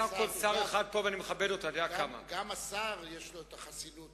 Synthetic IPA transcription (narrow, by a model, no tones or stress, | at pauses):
amkolsaʁeχad̪̚poveanimeχabe̞do̞t̪oadeakama̰ɡamasaʁjeʃloet̪aχasilut̪